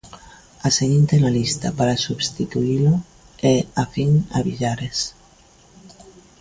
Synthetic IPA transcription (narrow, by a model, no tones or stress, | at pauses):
aseɣent̪enalist̪apaɾasuβst̪it̪uilo | eafiŋa̰βiʎaɾes